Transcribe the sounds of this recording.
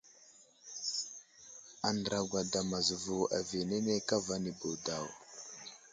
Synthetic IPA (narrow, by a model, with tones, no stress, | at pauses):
a˨ndɾa˨ɡʷa˨da˨ma˨zu˨vu˨a̰˨ve˨ne˦ne˦ka˦va˦ni˨bo˨da˨w